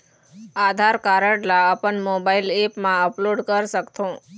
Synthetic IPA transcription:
ad̪ʱaɾkaɾəɽlaəpənmobailepmãəploɖkəɾʃəkt̪õ

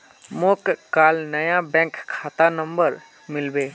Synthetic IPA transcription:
moːkkaːlnəjabɛ̃ːkkʰːaːt̪anə̃mbəɾ | mɪlbeː

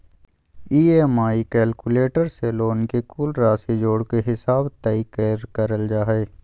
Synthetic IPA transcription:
iːemaːikɛːlkuleːʈəɾseloːnkekuːlɾaːsed͡ʒoːɽkeɦɪsaːbt̪ɐikeɾkəɾəld͡ʒaːɦeː

